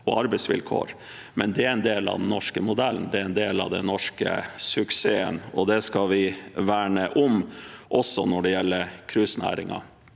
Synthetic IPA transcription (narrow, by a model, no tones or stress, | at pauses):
ɔ̰ɑɾbɛɪsʋɪ̰lkʰo̰ːɾ | mɛnd̪ɛæɾɛnd̪eːlɑ̰ʋd̪n̩ːɔʂkəmʊd̪ɛln̩d̪ɛæɾɛnd̪eːlɑ̰ʋd̪ɛnɔʂkə̰sʉkseːə̰nɔd̪ɛskɑlʋɪʋæːɳəʔʊmʔɔsːɔnɔɖɛjɛlːəɾkʰɾʉsnæ̰ːɾɪ̰ŋɑ̰